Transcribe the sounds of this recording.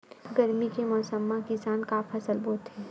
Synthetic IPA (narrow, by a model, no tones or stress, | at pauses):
ɡɐɾmikemɔːsəmːãkɪsaːnkaːfʰɐsəlboːt̪ɦɛː